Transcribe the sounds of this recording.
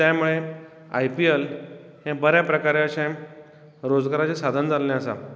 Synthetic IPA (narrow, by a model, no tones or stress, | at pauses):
t̪jamuɭe | a̰jpiel | hẽbəɾjapɾəkaɾeəɕã | ɾod͡zɡaɾat͡sesad̪ʱənd͡zalːeəsa̰